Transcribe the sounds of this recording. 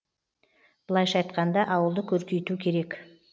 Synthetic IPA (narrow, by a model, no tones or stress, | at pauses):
b̥əlˠɑjʃɑjt̪qɑnd̪ɑʔɑwəlˠd̪əkʲʰɵɾkʲejt̪ukʲʰe̞ɾe̞k